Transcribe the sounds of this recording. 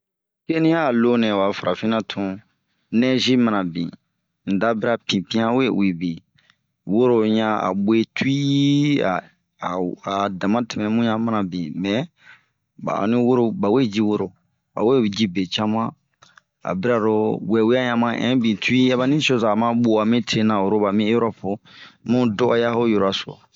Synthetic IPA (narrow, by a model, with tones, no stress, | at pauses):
ke˦nĩ˦ja˦˨lo˦nɛ̃˨wa˨fa˨ɾʔa˨fi˦nã˦tʰũ˨ | nɛ̃˦ʒi˦mã˨nã˨bḭ̃˨ | n̩˨da˦bi˦ɾa˦pĩ˨pĩ˦ã˦we˦wi˨bĩ˨ | wo˦ɾo˨ɲã˦a̰˨be˦tu˦i˦a˨ | a˨dã˨mã˦tɛ˨mɛ̃˨mũ˦jã˦mã˨nã˨bĩ˨mɛ̃˨ | ba̰˨nĩ˦wo˦ɾo˨ba˨we˦d͡ʒi˦wo˦ɾo˨ | ba̰˨we˦d͡ʒi˦be˨t͡ʃa˦mã˦ | a̰˨bi˦ɾa˨ɾo˦wɛ˨wi˦a˦jã˨mã˦ʔɛ̰̃˨˦bĩ˨tu˦i˦a˦ba˦nĩ˦so˦za˨mã˦ɓo˨a˨mĩ˦tʰe˦nã˨o˨ɾo˦ba˨mĩ˦e˦ɾɔ˦po˨mũ˦dɔ˦ʔɔ˦ja˦ho˦jo˨ɾa˨so˨ɔ̰˨